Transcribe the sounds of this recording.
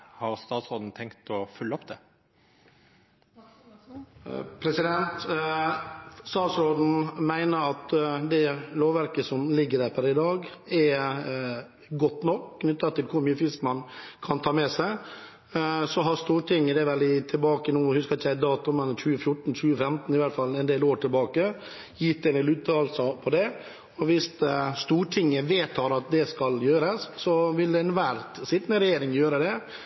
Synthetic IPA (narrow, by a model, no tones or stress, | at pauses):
hɑɾst̪ɑːt̪sɾoːd̪n̩t̪ʰɛŋkt̪ɔfʉlːəɔpd̪ɛ | pʰɾɛsɪd̪ɛnt̪ | st̪ɑːt̪sɾoːd̪n̩mæɪnəɾɑt̪d̪ɛloːʋæɾkəsɔmlɪɡːəɖ̪æːɾpʰæɾɪd̪ɑːɡɛɾ | ɡɔt̪ːnɔkkʰnʏt̪ːəɑt̪ʰɪlkʰʊɾmyːəfɪskmɑnkʰɑnt̪ʰɑːmɛsæɪ | sɔɦɑɾst̪uːɾʈʰɪŋːəd̪ɛɾʋɛld̪ɪt̪ʰɪlbɑːkənuːhʉskəɾɪçːæɪd̪ɑːt̪ʊmɛnçʉːəfjʊʈːn̩çʉːəfɛmt̪n̩ɪʋæʈt̪fɑlːɛnd̪eːloːɾʈʰɪlbɑːkə | jɪt̪ːɛnd̪eːlʉːt̪ʰɑːlsəpʰɔd̪ɛ | ɔʋɪst̪st̪uːɾʈʰɪŋːəʋeːt̪hɑːɾɑt̪̚d̪ɛskɑljøːɾəsːɔʋɪld̪ɛɛnʋæɾt̪sɪt̪nəɾɛjeːɾɪŋjøːɾəd̪ɛ